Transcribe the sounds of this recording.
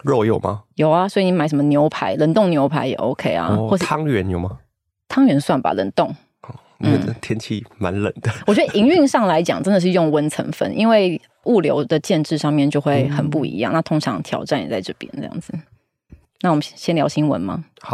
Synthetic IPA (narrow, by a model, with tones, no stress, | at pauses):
ɻɔ˥˧jo˨˩ʊma̰˨˦jo˨˩ʊa˦swɔ˧˥i˨ni˧˥ma˧˥ə˧˦mə˧njo˧˥ʊpʰa˧˥˦ɪlə˨˩nt̪o˥˩ŋnjo˧ʊpʰa˧˥ɪjɛ̰˨˩ʔo̰˧˥ʊkʰe˥ɪa̰˧˦xwɔ˥˧ʂ̩ʰ˥ɑ˦ŋɥɛ˧˦njo˨˩ʊmɐ˦ | t̪ʰɑ˥ŋɥɛ˧˥nswa˥˩nba̰˨˩lə̰˨˩nt̪ʊ˥˨˩ŋ | ɔ˥˩ | in̩˧˥˩t̪ʰjɛ˥nt͡ɕʰḭ˥˩ma˧˦nlə̰˨˩nd̪ə˩wɔ˨˩t͡ɕɥɛ˧˥də˧˨ʔi˧˥ŋy˥˧ŋʂɑ˥˩ŋla˧˥ɪt͡ɕjɑ̰˨˩ŋʈ͡ʂə˦nd̪ə˨ʂ̬ɻ̩˧jʊ˥˩˧ŋwə˦˥nt͡sʰə̰˧˥ŋfə̰˧˥nʔḭ˦nwe˥˩ɪ | u˥˩ljo˧˥ʊd̪ə˨t͡ɕjɛ˥˧nʈ͡ʂɻ̩˥˧ʂɑ˥˧ŋmjɛ˥˧nt͡ɕjo˥˧ʊxwe˥˩ɪxə˨˩npu˥˩ḭ˧˥jɑ̰˥˨ŋna˥˧t̪ʰʊ˥ŋʈ͡ʂʰɑ˧˥ŋt̪ʰjɑ̰˨˥ʊʈ͡ʂa˥˩nj̰t͡sa˥˧ɪʈ͡ʂɤ˥˧˩pjɛ̰˧˥nʈ͡ʂɤ˥˧jɑ̰˥˩ŋd͡zɹ̩˨˩ | na˥˩wɔ˨˩mə˦ɕjɛ˥nljɑ˧˥ʊɕi˥nwə̰˧˦nmɐ̰˦˨˦